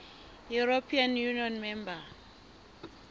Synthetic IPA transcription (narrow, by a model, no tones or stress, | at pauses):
juɾopʰianjuniɔnmɛmba